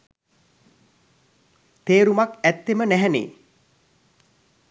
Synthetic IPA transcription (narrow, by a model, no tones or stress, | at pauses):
t̪eːɾumakæt̪ːemənæɦɛnḛː